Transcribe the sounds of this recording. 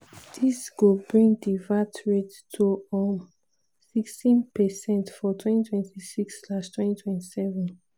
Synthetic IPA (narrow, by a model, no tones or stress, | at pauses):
d̥isɡ̥obɹĩŋɡdivatɹet | tʰuɔm | sikstĩnpɛsɛ̃ntfɔtʰwɛ̃ntitʰwɛ̃ntʰisikslaʃtwɛ̃ntitʰwɛ̃ntisɛvɛ̃n